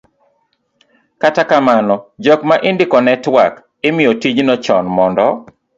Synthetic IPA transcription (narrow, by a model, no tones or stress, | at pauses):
katakamanɔd͡ʒɔkmaʔɪndɪkɔnɛtwak | ɪmɪɔtiɲnɔt͡ʃɔnmɔndɔ